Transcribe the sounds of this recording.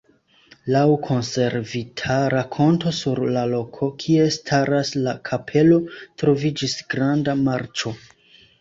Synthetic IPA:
lawkʰo̞nse̞ɾvitʰaɾakʰo̞nto̞suɾlalo̞kʰo̞kʰie̞stʰaɾaslakʰapʰe̞lo̞tɾo̞vid͡ʒisɡ̥ɾandamaɾt͡ʃo̞

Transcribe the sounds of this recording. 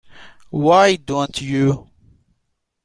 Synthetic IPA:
waɪdõntʰju

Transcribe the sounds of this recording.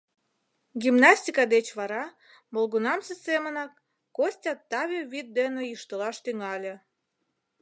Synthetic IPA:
ɡimnɑsʲtʲikɑd̪et͡ɕβɑɾɑ | molɣunɑmsesemənɑkː | osʲtʲɑt̪ːɑβʲeβit̪̚d̪enejiʃt̪əlɑʃt̪yŋɑlʲĕ

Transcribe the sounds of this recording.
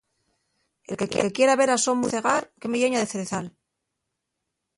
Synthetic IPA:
e̞lkekekje̞ɾaβe̞ɾasomuθe̞ɣaɾke̞meʝe̞ɲaðeθeɾeθal

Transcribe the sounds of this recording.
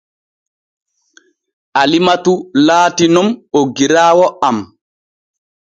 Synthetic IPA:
ʔalimatulaːtinɔmoɡiɾaːwɔam

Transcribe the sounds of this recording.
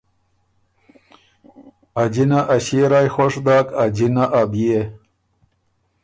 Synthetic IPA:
ad͡ʑinaʔaɕiɾajxoʂd̪aːkad͡ʑinaʔabije

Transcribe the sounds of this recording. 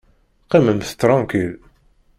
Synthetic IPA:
qːimənθt̪ɾˤɑ̃ŋkil

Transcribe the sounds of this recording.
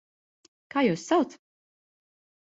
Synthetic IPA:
kaːjuːsːawt̪s

